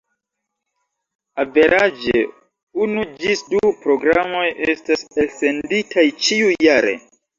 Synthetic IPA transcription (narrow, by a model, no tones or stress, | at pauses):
ave̞ɾʔad͡ʒe | unud͡ʒisdupɾo̞ɡɾamo̞jʔestaselse̞nditʰajt͡ʃiuːaɾḛ